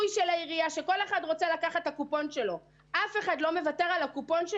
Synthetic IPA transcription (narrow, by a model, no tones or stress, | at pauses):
jʃelaiʁiaʃe̞kole̞χadʁo̞t͡selakaχat̪hakupo̞nʃe̞lo̞ | ʔafe̞χadlo̞me̞vate̞ʁalakupo̞nʃ